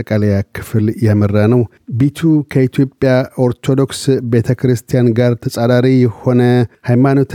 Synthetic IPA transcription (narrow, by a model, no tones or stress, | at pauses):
əkʼaləjakʰɨ̥fɨljamərːanəw | bet̪ʰukʰəit̪ʰjo̞pʼːjao̞ɾt̪ʰod̪o̞ksbe̞t̪ʰəkʰɾɨst̪ʰijanɡaɾt̪ʰəsʼad̪aɾijɛho̞nəhajmano̞t̪ʰ